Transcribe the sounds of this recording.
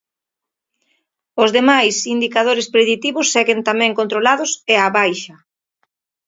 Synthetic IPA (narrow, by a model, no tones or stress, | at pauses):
ʊzðemajsind̪ikaðoɾɪspɾeðit̪iβʊsːɛɣent̪amɛ̃ŋkont̪ɾolaðʊseaβajʃɐ